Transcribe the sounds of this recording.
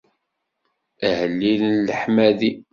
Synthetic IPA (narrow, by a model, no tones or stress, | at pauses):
əhəlːilənləħmæði